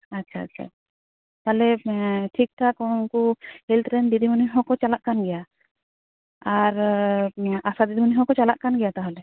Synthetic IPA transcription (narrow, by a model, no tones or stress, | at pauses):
atːt͡ʃʰa̰ːtːt͡ʃʰa̰ | t̪alɛʈʰik̚ʈʰakɔ̃nkuhilt̪ɾɛnd̪id̪imuniɦɔkɔt͡ʃalaʔkanɡɛja | aɾ | asad̪id̪imuniɦɔkɔt͡ʃalaʔkanɡɛjat̪aɦalɛ